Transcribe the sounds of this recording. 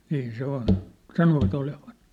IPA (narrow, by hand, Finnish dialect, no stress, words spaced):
niːn se on sɑnoʋɑt oleʋɑn